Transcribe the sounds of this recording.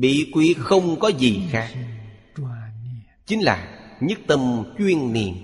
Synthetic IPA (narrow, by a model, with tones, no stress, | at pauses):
ɓḭ˧˨kwi˨˦xə˧wŋ͡mkɔ˨˦zi˨˩xaː˨˦˥ | t͡ɕï˨˦ŋ̟laː˨˩ɲə˦˥t̚t̪ə˧mt͡ɕwi˧ənnḭ˨˧˩ən